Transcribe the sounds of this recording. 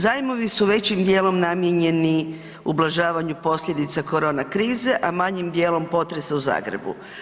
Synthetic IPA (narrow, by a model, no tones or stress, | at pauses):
zaːjmo̞ʋisuʋe̞t͡ɕimd̪je̞ːlo̞mnamjeɲe̞ni | ublˠaʒaːʋaɲupo̞sʎʲje̞d̪it̪sako̞ɾo̞ːnakɾiːze̞ʔamaɲimd̪je̞ːlo̞mpo̞t̪ɾe̞sauza̰ːɡɾḛbṵ